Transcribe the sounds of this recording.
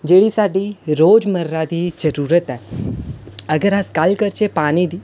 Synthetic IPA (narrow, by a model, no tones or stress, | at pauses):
d͡ʒeːɽisaːɖiɾoːd͡ʒməɾːad̪id͡ʒəɾuːɾət̪a | əɡəɾaskaːlkəɾt͡ʃʰepaːnid̪i